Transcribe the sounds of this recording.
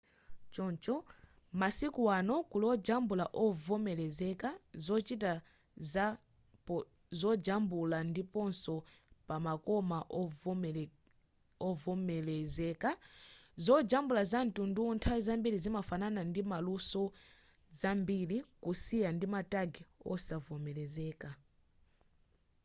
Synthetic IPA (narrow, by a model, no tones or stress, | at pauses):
t͡ʃɔnt͡ʃɔ | masikuwanɔkulɔd͡ʒambulaʔɔvɔmɛlɛzɛkazɔt͡ʃita | za | zɔd͡ʒambulandipɔnsɔ | pamakɔmaʔ | ɔvɔmɛlɛzɛkazɔd͡ʒambulazantunduntʰazambiɾizimafananandimalusɔ | zambilikusijandimataɡiɔ̰savɔmɛlɛzɛːka